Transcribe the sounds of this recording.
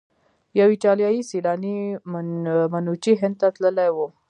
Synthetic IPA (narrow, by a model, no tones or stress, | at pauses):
jawiʈɑlijɑjisilɑni | manut͡ʃiɦɪ̃nd̪̚t̪at̪ləlajwo